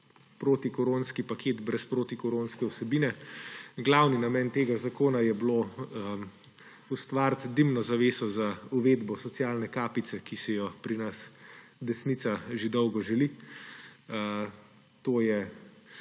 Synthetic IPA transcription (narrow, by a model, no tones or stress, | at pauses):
pɾoːt̪ikɔɾoːnskipakʰeːt̪bɾɛspɾoːt̪ikɔɾoːnskɛusɛbiːnɛɡlawninamɛnt̪eːɡazakoːnajɛblo | ust̪ʋaɾt̪d̪imnɔzaʋeːsɔzauʋeːd̪bɔsɔtsjaːlnɛkaːpit̪sɛkisɛjɔpɾinasd̪ɛsnit̪saʒed̪ɔwɡɔʒɛli | ə | t̪oːjɛ